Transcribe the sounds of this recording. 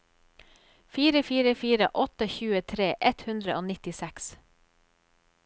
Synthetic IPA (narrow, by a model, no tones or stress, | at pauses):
fiːɾəfiːɾəfiːɾə̰ʔɔt̪əçʉːət̪ʰɾeːʔɛt̪hʉnd̪ɾəʔoːnɪt̪ɪsɛks